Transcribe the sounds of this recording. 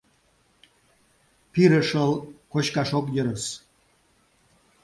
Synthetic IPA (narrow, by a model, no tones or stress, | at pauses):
piɾəʃəlkoɕkaʃok̬jəɾəs